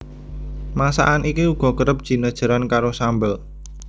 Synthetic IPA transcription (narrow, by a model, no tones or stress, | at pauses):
masa̰ʔanʔikiuɡ̥ɔ̤kəɾəp̚d̥ʒ̥i̤nəd̥ʒ̥ə̤ɾankaɾosambəl